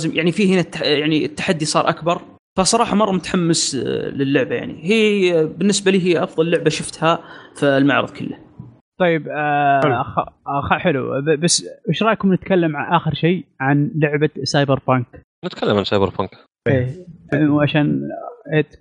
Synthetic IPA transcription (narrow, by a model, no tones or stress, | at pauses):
zɪmjaʕnifiːhɪnat̪ːjaʕniət̪ːḁħad̪ːisˤɑːɾˤʔakbɑɾˤ | fasˤɑɾˤɑːħɑmɑrˤːɑmʊt̪ħamːəslɪlːʊʕbaja̰ʕnḭhiːbɪnːɪsbaliːɦiʔɑfðˤɑllːʊʕbaʃʊft̪hafilmaʕɾɨ̰ðˤkʰʊlːa | t̪ˤɑjːɪb | xxħɪlṵbasːʔɪʃɾˤɑːjkʊmnɪt̪kalːamʕaʔaːxɪɾʃeːʕanlʊʕbasɑːjbɪɾbank | nɪt̪kʰalːamʕansɑjbəɾbaːk | ʔeːwʕaʃaːnʔeːt̪